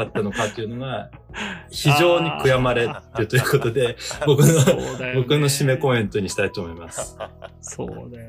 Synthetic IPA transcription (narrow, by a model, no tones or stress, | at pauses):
at̪ːano̞kat̪ːe̞iɯ̟no̞ɡa | çiʑo̞ːɲ̟ikɯ̟jamaɾe̞ɾɯ̟t̪o̞jɯ̟ko̞t̪o̞d̪e̞bo̞kɯnobo̞kɯ̟no̞ɕime̞ko̞ẽ̞nt̪o̞ɲ̟iɕi̥t̪ait̪o̞ːmo̞imasɨ̥